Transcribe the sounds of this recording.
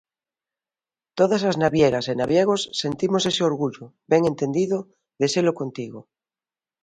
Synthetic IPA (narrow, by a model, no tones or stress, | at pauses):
t̪oðasaznaβjeɾasenaβjeɣ̞osːe̞nt̪imose̞seoɾɣuʎobeŋe̞nt̪e̞nd̪iðo | ðeselokont̪iɣo